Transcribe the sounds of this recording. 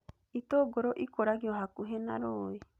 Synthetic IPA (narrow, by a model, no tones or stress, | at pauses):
it̪oɡoɾoʔikoɾaɡioɦakuɦena̰ɾoi